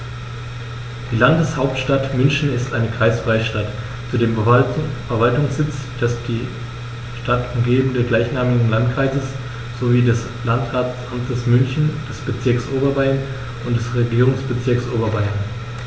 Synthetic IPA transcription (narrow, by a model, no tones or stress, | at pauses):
d̥iːlandəshaʊp̚tʃtatmʏnçn̩ɪstʔaɪnəkʁ̥aɪsfʁ̥aɪʃtat | t͡sudeːmfɛɐvaltʊŋsz̥ɪt͡sd̥asd̥iː | ʃtatʊmɡeːbm̩dəɡlaɪçnaːmɪɡŋ̩lantkʁ̥aɪzəs | z̥oviːdɛs | lantʁaːʔamtʰəsmʏnçn̩d̥ɛsb̥ət͡sɪɐksʔoːbɐvaɪɐn | ʔʊntd̥ɛsʁeɡiːʁ̞ʊŋsb̥ət͡sɪɐksʔoːbɐvaɪɐn